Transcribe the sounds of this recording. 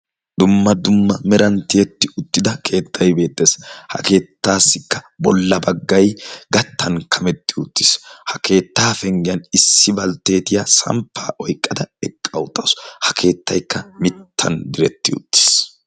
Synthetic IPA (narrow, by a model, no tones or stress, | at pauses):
d̪ʊmːɐd̪ʊmːɐmɛɾɐnt̪ɪjɛt̪ːɪʔʊt̪ːɪd̪ɐkʰe̞ːt̪ːɐjbe̞ːt̪ʼːeːshɐ̰ke̞ːt̪ːaːsːɪkːɐbɔlːɐbɐɡːɐjɡɐt̪ːɐnkʰɐmɛt̪ːɪʊt̪ːɪ̥shɐkʰe̞ːt̪ːaːfɛŋɡɪjɐnɪsːɪbɐlt̪ːe̞ːt̪ɪjasɐ̰mpʰːaːʔɔjkʼːɐd̪ɐɛkʼːɐwʊt̪ʼːɐshɐkʰe̞ːt̪ːɐjkːɐmɪt̪ʰːɐnd̪ɪɾɛt̪ːɪʊ̰t̪ːi̥s